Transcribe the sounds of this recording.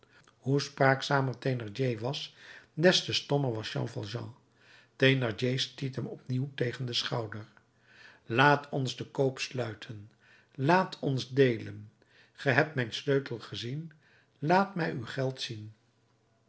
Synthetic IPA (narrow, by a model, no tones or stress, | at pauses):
ɦuspraːksaːməɹtejnɑɹd͡ʒejʋɑsdɛstəstɔməɹʋɑsʃɑ̰̃ŋfɑ̰lˠʒɑ̰̃ | tenɑɹd͡ʒejstitəmɔpniwtejχəndəsχɑwdəɹ | laːtʰɔnzdəkowpslœɥtʰən | laːtʰɔnzdejlən | χəɦɛp̚tmɛjnsløɥtəlˠχəzin | laːtmɛjywχɛlˠtsin